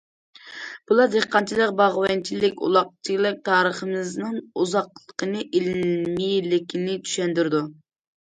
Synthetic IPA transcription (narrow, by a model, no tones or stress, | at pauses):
b̥ulˠɑɾd̪eχqɑnt͡ʃʰilˠəq̚bɑʁwɛnt͡ʃʰilɪkʲṵlˠɑq̚t͡ʃʰilˠɪk̚ʲt̪ʰɑːɾəχəmɨznɨŋuzɑqlˠəqʰənɨʔilmilɪkʲʰinɪt̪ʰy̥ʃɛnd̪yɾɪd̪u